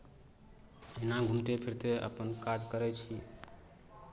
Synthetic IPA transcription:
enaɡʱumʈepʰiɾt̪eə̰pənkad͡ʒkəɾɛt͡ʃʰi

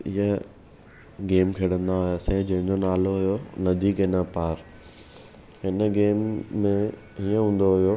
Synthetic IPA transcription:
ɪɦə | ɡeːmkʰeːɽə̃nd̪aɦʊjasẽːd͡ʑɐɦɪ̃ɲd͡ʑonaːloɦʊjonɐd̪ʱiːkɪnapaːɾ | ɦɪnəɡeːmːẽ | ɦiə̃ɦũːn̆d̪oɦʊjo

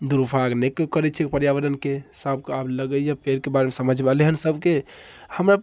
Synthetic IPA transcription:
d̪uɾpʰaɡnɛkːkəɾɛt͡ʃʰɛkpəɾjabəd̪ənkesəbʱkabləɡəjapeɾkebaɾemesəməd͡ʒʱmealeɦənsəbʱkehəmɾa

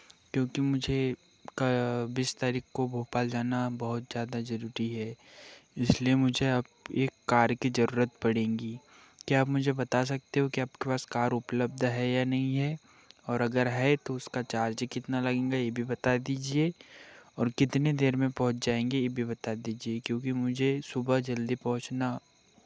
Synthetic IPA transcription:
kjõːkimʊd͡ʒʱe | kɐbɪst̪aːɾiːkkobʱoːpaːld͡ʒaːnabɐɦʊt̪zjaːd̪azɐɾuːɾiɦɛ | ɪsliemʊd͡ʒʱeɐp̚eːkːaːɾkizɐɾuːɾət̪̚pɐɽẽːŋɡi | kiapmʊd͡ʒʱebɐt̪as̬ɐk̚t̪eɦõkiaːpkepaːskaːɾʊpləb̚d̪ʱɦɛjanɐɦĩɦɛ | ɔːɾɐɡəɾɦɛt̪oʊskat͡ʃaːɾt͡ʃkɪt̪nalɐɡẽːŋɡajebʱibɐt̪ad̪iːd͡ʒieɔːɾkɪt̪ned̪eːɾmẽpɐɦʊ̃t͡ʃd͡ʒaːẽːŋɡejebʱibɐt̪ad̪iːd͡ʒiekjõːkimʊd͡ʒʱesʊbəɦd͡ʒɐld̪ipɐɦʊ̃t͡ʃna

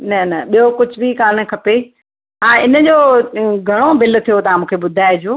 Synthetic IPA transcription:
nɐnɐɓijokʊd͡ʑʱbʱikaːn̆kʰɐpe | ɦaːɪnə̆d͡ʑoːɡʱɐɽ̃obɪl̆t̪ʰijot̪ɐãmũːkʰeɓʊd̪ʱaːɪd͡ʑoː

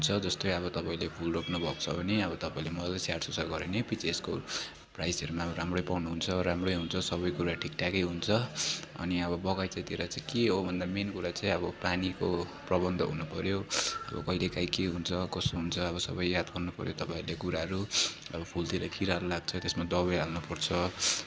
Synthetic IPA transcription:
ɦunt͡sʰʌd͡zʌst̪ojʌβʌt̪ʌpãĩlepʰulroknubʱʌkt͡sʰʌbʱʌneʌβʌt̪ʌpãĩlemʌlasaʈsusarɡʌɾenepit͡sesko̰ | prajsʌɾumaʌbʌɾamrojpawnuɦunt͡sʰʌɾamrojɦunt͡sʰʌsʌβʌjkuɾaʈʰikʈakʌjɦunt͡sʰʌʌ̰niʌbʌbʌɡajt͡saĩt̪eɾʌt͡sãĩkeɦobʱʌnd̪amenkuɾat͡saĩʌbʌpanikoprʌbʌnd̪ʱʌɦunupʌɾjoʌ̰bʌ̰kʌilekajkeɦunt͡sʰʌkʌsoɦunt͡sʰʌʌβʌsʌbʌjjad̪bʌnnːupʌɾjot̪ʌpãĩlekuɾaɦʌɾuʌ̰bʌpʰult̪iɾʌkʰiɾaɾulaɡ̚t͡sʰʌt̪esmad̪ʌβʌjɦalnupʌrt͡sʰʌ

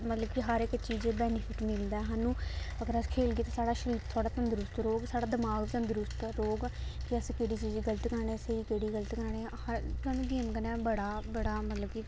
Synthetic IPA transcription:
mət̪ləbkiɦəɾɪkt͡ʃiːd͡ʒebɛːnɪpʰɪʈmɪld̪aːɦaːnũː | əɡəɾəskʰeːlɡiːt̪ãːsaːɽaːʃəɾiːɾt̪ʰʊaːɽaːt̪ənd̪ɾʊst̪ɾoːɡsaːɽaːd̪əmaːɡt̪ənd̪ɾʊst̪ɾoːɡkɪəskeːɽiːt͡ʃiːd͡ʒɡələt̪kəɾɳeseiːkeːɽiːɡələt̪kəɾɳeːhəɾaːnũːɡ̪iːmkənɛːbəɽaːbəɽaːmət̪ləbki

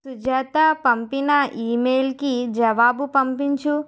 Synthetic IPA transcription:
sud͡ʒaːt̪apɐmpinɐiːmeːlkid͡ʒɐʋaːbupɐmpiɲt͡ʃu

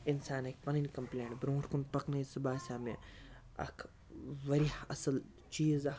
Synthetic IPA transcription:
ɪnsaːnɐk̚ʲpɐninʲkɐmplẽːɳʈbɾõːʈkunpɐknɐjsɨbaːsʲaːme | ɐ̰kʰ | ʋɐɾihɐsɐl | t͡ʃiːz

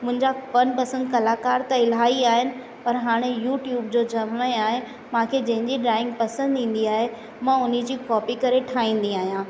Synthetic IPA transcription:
mʊ̃ɦɪ̃ɲd͡ʑapɐnpɐsənd̪kɐlaːkaːɾt̪aɪlɦaːiaːɦɪnɪ̆ | pɐɾɦaːɽ̃ejuːʈjuːbd͡ʑod͡ʑɐmʋẽaːɦe | mãːkʰed͡ʑɐ̃ɦɪ̃ɲd͡ʑiɖɾaːɪ̃ŋɡpɐsə̃nd̪ʱĩːn̆d̪iaːɦe | mãʊnid͡ʑiːkɔːpikɐɾeʈʰaːĩːn̆d̪iaːɦijãː

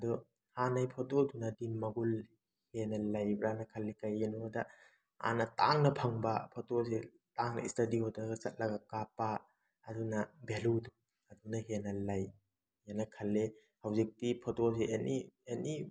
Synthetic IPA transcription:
ɐdɔ | hanajpʰɔtodunɐdimːɐɡul | henɐlajbɾanɐkʰɐlːekajenuda | a̰nɐtaŋnɐpʰɐŋbɐpʰotos̬e | taŋnɐ̰istɐdiɦodaɡɐsɐt̚lɐɡakapaː | dunɐbeludu | ɐdunɐɦenɐlaj | janɐkʰɐlːe | hawzik̚tipʰotos̬eenieni

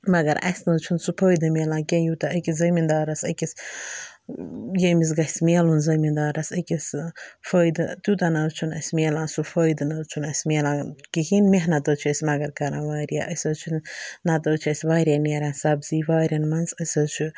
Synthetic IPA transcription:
mɐɡɐɾɐ̰sʲnɐt͡ʃʰunsupʰəːjd̪ɨmeːlãːkʲẽːjut̪aʔɐkiszɐmind̪aːɾɐsɐkis | jemis̬ɡɐhʲsmeːlunzɐmind̪aːɾɐsɐkisfəːjd̪ɨt̪jut̪anɐt͡ʃʰunɐ̰sʲmeːlãːnsufəːjd̪nɐt͡ʃʰunɐsʲmeːlãːkihinmeɦnɐt̪əːt͡ʃʰɐsʲmɐɡɐɾkɐɾãːʋaːɾija̰ʔɐsɐt͡ʃʰunnɐt̪əːt͡ʃʰɐsʲʋaːɾʲjaneːɾansɐbziːʋaːɾʲɐnmɐnzəsɐt͡ʃʰu

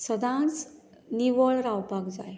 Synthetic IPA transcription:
səd̪ãt͡s | niʋəɭɾawpakd͡zaj

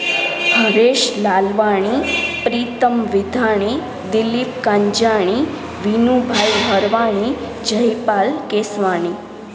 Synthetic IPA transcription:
həɾeʃlalʋaɽ̃ipɾiːt̪əmʋɪd̪ʱaɽ̃i | d̪ɪlip̚kaɲd͡ʒaɽ̃i | ʋinubʱajɦəɾʋaɽ̃i | d͡ʒəjpalkesʋaɳ̃i

